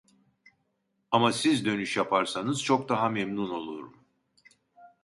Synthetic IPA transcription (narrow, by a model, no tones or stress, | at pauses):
amasizd̪ø̞nyʃjapʰaɾsanɯz̥t͡ʃʰo̞kd̪aɦamemnuno̞lˠuɾṵm